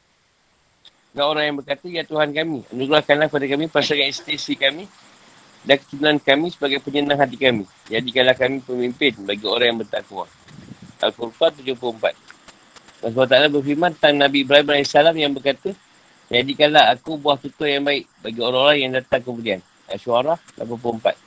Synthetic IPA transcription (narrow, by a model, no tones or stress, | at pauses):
ɾaoɾaŋjaŋbərkat̪əjat̪uɦankamĩə̰nuɡɾahkanlakəpadakamĩpasaŋanist̪isikamĩ | dankə̥t͡ʃunaankamĩsəbaɡajpəɲənãŋɦat̪ikamĩ | d͡ʒadikalahkamĩpəmimpɪnbaɡio̰ɾaŋjãŋbərt̪akua̰ | a̰lpurpat̪ud͡ʒʊhp̬luəmpa̰t̪̚ | dasbuat̪̬aalabərfirmãnt̪aŋnãbibɾaibnalisalamjaŋbərkat̪ə | d͡ʒadikanlahakubuaht̪ut̪ʊjaŋbaɪʔbaɡioɾaŋoɾaŋjaŋdat̪aŋkəmũdian | a̰ʃuaɾahla̰p̬anp̬luəmpa̰t̪̚